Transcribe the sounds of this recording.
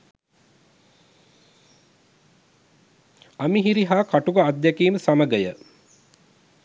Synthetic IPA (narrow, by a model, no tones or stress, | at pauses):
amiɦiɾiɦaːkaʈuɡəad̪ːjakiːməsaməɡəjə